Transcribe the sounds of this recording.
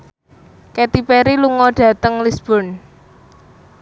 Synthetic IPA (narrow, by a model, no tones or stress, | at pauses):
ket̪ipeɾiluŋɔɖ̥ä̤t̪əŋlisb̥ɔ̤n